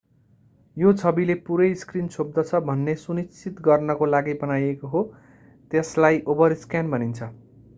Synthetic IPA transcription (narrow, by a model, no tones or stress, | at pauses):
jot͡sʰʌbilepuɾʌjskrinsob̚d̪ʌt͡sʰʌbʱʌnːesunist͡sʰit̪ɡʌrnʌkolaɡibʌnajekoɦo | t̪eslajʔobʌɾiskanbʌnint͡sʰʌ